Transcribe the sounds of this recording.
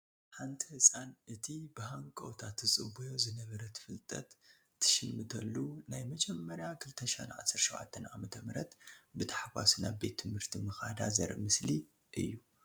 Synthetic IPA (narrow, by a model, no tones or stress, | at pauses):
ħant̪ʰihɨsʼanʔɨt̪ʰibɨhaŋkʼɐ̰wt̪ʰat̪ʰːɨt͡sʼɨbujo̞zɨnɐβɐɾɐt̪ʰɨ̥fɨlt̪ʼɐ̰t̪ʰː | ɨ̥ʃɨnmɨt̪ʰɐlːunajmɐd͡ʒɛmːɐɾjakʰɨlt̪ʰɐʃa̰nʕa̰sːɨɾʃɐβʕa̰t̪ʰːɐnʔa̰mɐt̪ʰɐmɾɐt̪bɨt̪ʰḁħawa̰sina̰βbe̞t̪ʰːɨmhɨɾt̪ʰimɨxad̪azɐ̰ɾʔɨmɨsli | ʔɨ̰jːu